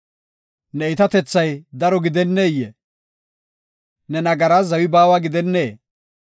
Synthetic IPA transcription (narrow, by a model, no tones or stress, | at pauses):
nɛɪt̪ɐt̪ɛt͡sːɐjd̪ɐɾɔɡɪd̪ɛnːeːjːɛ | nɛnɐɡɐɾaːzɐwɪbaːwaɡɪd̪ɛnːeː